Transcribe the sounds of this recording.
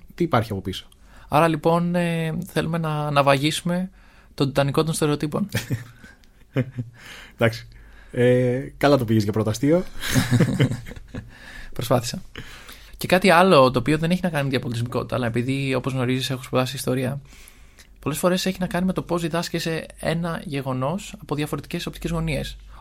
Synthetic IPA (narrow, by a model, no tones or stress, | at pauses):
t̪iːpɐɾçiɐpo̞piso̥ | ɐ̰ɾɐlipo̞neθe̞lume̞nɐnɐvɐʝisume̞ | t̪o̞d̪it̪ɐniko̞t̪o̞nst̪e̞ɾet̪ipo̞n | d̪ɐksi̥ekɐlɐt̪opiʝizʝɐpɾo̞t̪ɐst̪io | pɾospɐθi̥sɐ | ce̞kɐt̪iɐlo̞t̪o̞ːpio̞ðe̞ne̞çinɐkɐnimeðʝɐpolit̪izmiko̞t̪it̪ɐːlɐe̞piðio̞po̞zɣno̞ɾizise̞xu̥spoðɐsiːst̪o̞ɾiɐ | po̞le̞sfo̞ɾe̞se̞çinɐkɐnime̞t̪o̞po̞zðiðɐscese̞e̞̰nɐʝe̞ɣo̞no̞sɐpo̞ðʝɐfo̞ɾe̞t̪i̥ce̞so̞p̚t̪ice̞zɣo̞nie̞s